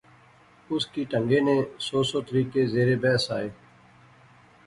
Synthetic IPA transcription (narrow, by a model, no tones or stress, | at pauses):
ʊskiːʈəŋɡeːnẽːsoːsoːt̪əɾiːkeːzeːɾeːbɛːsa̰ːeː